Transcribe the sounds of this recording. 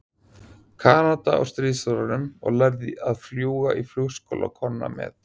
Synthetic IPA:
kʰaːnat̪aɔ̰wst̪ɾiːsɔɾanʏmɔ̰ɣlaɾðɪʔaðfljuːɣaʔifluɣsko̰wlakʰɔnːa̰mɛ̰ð

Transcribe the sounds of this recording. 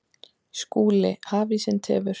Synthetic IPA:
skuːlɪhaːvisɪnt̪ʰɛ̰ːvɪɾ

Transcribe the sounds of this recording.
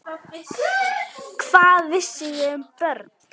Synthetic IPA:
kʰvaːðɪsɪjɪmpœɾt̪

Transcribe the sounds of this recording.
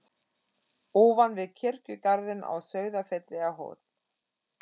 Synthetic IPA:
ɔːvanvɪðcʰɪr̥cʏkaɾðɪnʔa̰wsœːɥðafɛt̪lɛɣaɦo̰ːt̪

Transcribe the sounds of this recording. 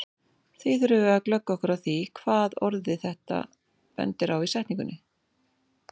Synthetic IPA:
θiθʏɾʏvʏaklœkːaɔhkʏɾawθikʰv̥aːðɔɾðɪθɛht̪a̰ | pɛ̰nt̪ɪɾawisɛjht̪niŋkʏnːɪ

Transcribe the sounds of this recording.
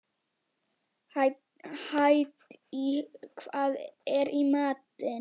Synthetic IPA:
hajt̪ikʰvaðɛɾimaːt̪ə

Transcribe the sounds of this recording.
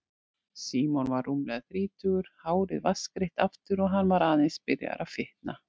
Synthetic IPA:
siːmɔnvaɾːumlɛɣθɾiːt̪ʏɣʏɾ̥haːwɾɪðvaskɾɪht̪aft̪ʏɾɔɣɦanːvaɾaːðɪnspɪɾja̰ɾʔawfɪht̪na

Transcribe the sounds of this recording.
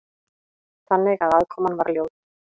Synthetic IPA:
θanːɪɣaðaðkʰɔːmanvaɾljoːwð

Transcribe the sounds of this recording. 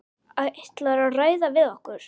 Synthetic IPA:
aðejht̪laɾaðraːjðavɪðɔhkʏɾ̥

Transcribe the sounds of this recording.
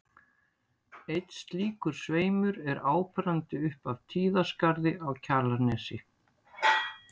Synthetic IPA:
ejt̪st̪liːkʏɾ̥sveːjmʏɾɛɾaːwpɾant̪ɪʏhpav̥t̪ʰiːðaskaɾðɪʔawcʰaɾlaɾnɛːsɪ

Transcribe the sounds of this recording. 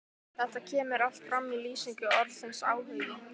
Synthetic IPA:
θɛht̪acʰɛːmɪɾal̥t̪fɾamːiliːsiŋkʏɔɾðsɪnsaːwhʏðɪ

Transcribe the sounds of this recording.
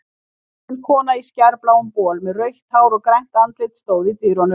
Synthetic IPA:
nkʰɔːnaiscaɾplawʏmpɔːlmɛðrœɥht̪haːwɾɔkɾɛjŋ̥t̪ant̪lɪt̪st̪oːwðit̪iɾɔnʏ

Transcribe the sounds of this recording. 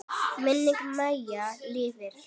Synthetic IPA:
mɛnːekmajalevɛɾ

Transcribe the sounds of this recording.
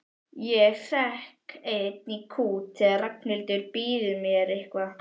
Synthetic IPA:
jɛθɛhkʰet̪̚nikʰuːt̪ʰɛɾaknɪlt̪ɪɾpiːðɪmjɛɾɪhkva

